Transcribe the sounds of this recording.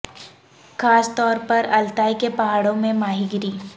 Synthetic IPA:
xaːst̪ɔːɾpɐɾɐlt̪aːikepɐɦaːɽõmẽmaːɦiɡɪɾiː

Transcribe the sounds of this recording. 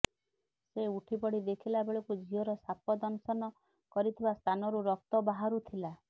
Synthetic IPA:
seuʈʰipɔɽid̪ekʰilabeɭɔkud͡ʒʱiɔɾɔsapɔd̪ɔnsɔnɔ | kɔɾit̪ʰibast̪ʰanɔɾuɾɔk̚t̪ɔbaɦaɾut̪ʰila

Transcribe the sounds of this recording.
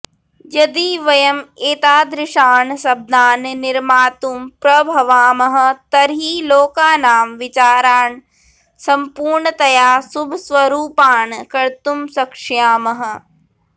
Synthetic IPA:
d͡ʒɐd̪iːʋɐjɐmeːt̪aːd̪ɾɪʃaːnsɐb̚d̪ʱaːnnɪɾmaːt̪umpɾɐbʱɐʋaːmɐɦɐ̆t̪ɐɾɦiːloːkaːnaːmʋɪt͡ʃaːɾaːɳ | sɐmpuːɾɳət̪ɐjaːsubʱsʋɐɾuːpaːnkɐɾt̪umsɐkʂjaːmɐɦɐ̆

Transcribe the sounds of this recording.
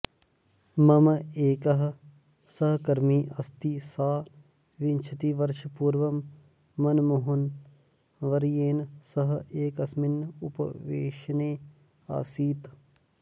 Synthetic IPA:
mɐmeːkɐɦ | sɐɦkɐɾmiːʔɐst̪isaː | ʋɪnt͡ʃʰət̪iʋɐɾʃpuːɾʋɐmː | ɐnmoɦʊn | ʋɐɾjeːnsɐɦeːkɐsmɪnʊpə̰ʋḛːʃneː | a̰ːsiːt̪

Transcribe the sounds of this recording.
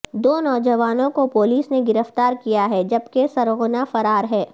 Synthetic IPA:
d̪oːnɔːd͡ʒɐʋaːnõkopoːliːsneɡɪɾəft̪aːɾkijaɦɛd͡ʒɐbkesɐɾɣʊnafɐɾaːɾɦɛː

